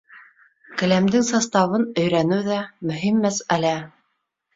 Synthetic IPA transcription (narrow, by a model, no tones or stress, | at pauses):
kɘ̆læmd̪ɘŋsɑst̪ɑβɤnɵ̆jɾænɘwðæmɵ̆ɦimːæsælæ